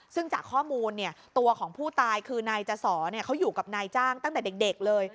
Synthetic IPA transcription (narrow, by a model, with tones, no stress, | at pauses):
sɯ˥˩ŋt͡ɕaː˨˩kʰːɔː˥˩muː˧nːi˥˩ɐt̪u˧ɐkʰɔː˩˦ŋpʰuː˥˩t̪aː˧jkʰɯː˧naː˧jt͡ɕa˧sɔː˩˦ni˥˩ɐkʰa˦˥wjuː˨˩ka˨˩p̚naː˧jt͡ɕaː˥˩ŋt̪a˥˩ŋt̪ɛː˨˩de˨˩k̚de˨˩k̚lɤː˧j